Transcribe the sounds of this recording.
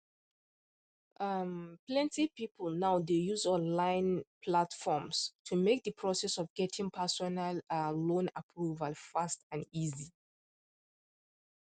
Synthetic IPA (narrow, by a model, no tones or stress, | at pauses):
ʔamplɛ̃ntipipl̩naʊdejuzɔ̃nlãɪ̃npʰlatfɔmstʰumek̚dəpʰɹɔsɛsɔvɡɛtʰɪ̃ŋpʰɛsɔnalalõnapʰɹuvalfastãnizi